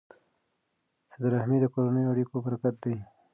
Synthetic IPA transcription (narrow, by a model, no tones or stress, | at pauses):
səd̪ɾahmid̪əkoɾonəjoɐɽikobəɾkat̪̚d̪aj